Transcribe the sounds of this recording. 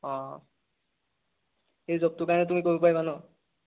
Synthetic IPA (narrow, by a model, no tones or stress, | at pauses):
ɔ̃ | xejzɔb̚tʊkaɹɔnɛt̬umikoɹupajbanɔ